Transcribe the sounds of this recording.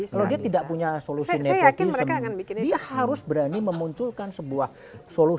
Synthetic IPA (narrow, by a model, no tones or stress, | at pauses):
kaladiat̪idaʔpuɲasolusinejakɪiməɾkakanbidiahaɾʊsbəɾaniməmuɲt͡ʃʊlkansəbuah | solu